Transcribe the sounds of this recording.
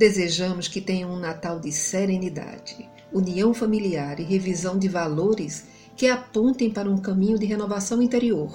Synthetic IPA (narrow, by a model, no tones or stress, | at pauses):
d̪ezeʒɐ̃mʊskɪt̪ẽɲɐ̃ũnat̪awd̪ɪseɾẽnid̪a̰d͡ʒɪ | uniɐ̃w̃familiaɾɪɦevizɐ̃w̃d̪ɪvaloɾɪs | kɪapõnt̪ẽj̃paɾɐũkɐ̃mĩɲʊd̪ɪɦenovasɐ̃w̃ĩnt̪eɾioɾ